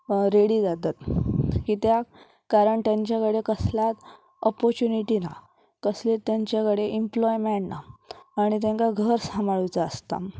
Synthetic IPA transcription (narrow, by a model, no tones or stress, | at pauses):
ɾeɽiːd͡zat̪at̪kit̪ja | kaɾəɳt̪jãɲt͡ɕjakəɽekəslat̪ | ɔpɔɾt͡ɕuniʈina̰ | kəslet̪jaɲt͡ɕjakəɽeʔimplɔjmeɳnaaɽ̃it̪̬ãŋkaɡʱəɾsamaɭujt͡saːst̪a̰